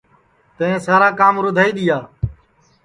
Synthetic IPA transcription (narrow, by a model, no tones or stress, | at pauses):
t̪ẽːsaːɾaːkaːmɾʊd̪ʱaːiːɗ̪ɪjaː